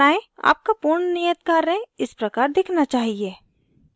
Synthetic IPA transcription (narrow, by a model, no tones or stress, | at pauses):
aːẽa̰ːp̚kapuɾɳnijət̪̚kaːɾẽɪspɾɐkaːɾd̪ɪkʰnat͡ʃaːɦieː